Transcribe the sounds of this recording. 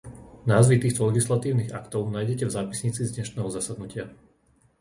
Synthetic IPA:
naːzʋit̪iːxt̪ɔlɛɡislat̪iːʊniɣakt̪ɔʊnaːjɟɛcɛvzaːpisɲiːt͡sizdɲɛʃnɛːɦɔzasad̪nucɪa

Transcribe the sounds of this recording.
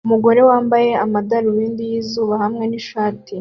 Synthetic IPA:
umuɡo̞ɾe̞waːmbaje̞amadaɾuɾiːndijiːzuːβahamŋe̞niʃaːtʰi

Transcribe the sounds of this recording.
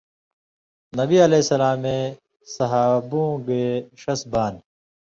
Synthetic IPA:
nɐbiɐleːsɐlaːmẽː | sɐɦaːbũːɡeːɕɐsbaːn

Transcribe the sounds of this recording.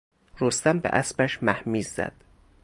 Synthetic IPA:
ɾost̪æmbḛʔæsbæʃmæhmiːzːæ̰d̪̥

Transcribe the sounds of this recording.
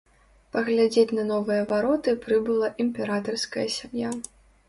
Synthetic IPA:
pɐɣlʲad͡zʲet͡sʲnɐnɔvɨjɐvaɾɔt̪ɨpɾɨbɨlˠɐʔimʲpʲɛɾat̪ɐrskɐjɐsʲamja

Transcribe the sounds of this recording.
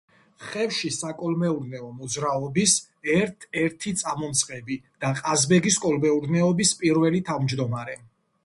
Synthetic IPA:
χɛvʃisakʼɔlmɛuɾnɛɔmɔd̪zɾaɔbis | ɛɾt̪ʰɛɾt̪ʰit̪sʼamɔmt̪sʰʼqʼɛbid̪̥aqʼazbɛɡiskʼɔlmɛuɾnɛɔbispʼiɾvɛlit̪ʰavmd͡ʒd̪ɔmaɾɛ

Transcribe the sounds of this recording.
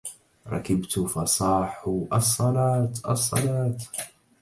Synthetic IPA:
ɾˤɑ̰kɪbt̪ʊfɑsˤɑːħʊʔɑsˤːɑlɑːt̪ʔɑ̰sˤːɑ̰lɑːt̪

